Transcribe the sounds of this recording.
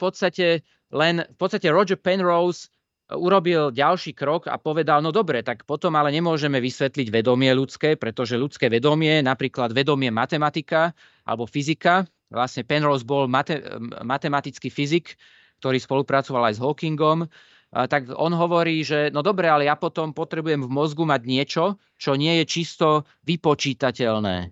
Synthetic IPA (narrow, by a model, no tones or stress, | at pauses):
fpɔt̪st̪acɛ | lɛnfpɔt̪st̪acɛɾɔd͡ʒɛɾpɛnɾɔʊs | uɾɔbilɟalʃiːkɾɔɡa̰pɔʋɛd̪alnɔd̪ɔbɾɛt̪akpɔt̪ɔmalɛɲɛmʊɔʒɛmɛʋisʋɛt̪liɟʋɛd̪ɔmɪɛʎut͡skɛːpɾɛt̪ɔʒɛʎut͡skɛːʋɛd̪ɔmɪɛnapɾiːklad̪ʋɛd̪ɔmɪɛmat̪ɛmat̪ika | ʔa̰lɛbɔfizika | ʋlasɲɛpɛnɾɔzbɔlmat̪ɛmat̪ɛmat̪it͡skifizik | kt̪ɔɾiːspɔlupɾat͡sɔʋalajzɦɔkiŋɡɔm | t̪aɡɔnɦɔʋɔɾiːʒɛnɔd̪ɔbɾɛalɛjapɔt̪ɔmpɔt̪ɾɛbujɛmvmɔzɡumaɟɲɪɛt͡ʃɔ | t͡ʃɔɲɪɛjɛt͡ʃist̪ɔ | ʋipɔt͡ʃiːt̪acɛlnɛ̰ː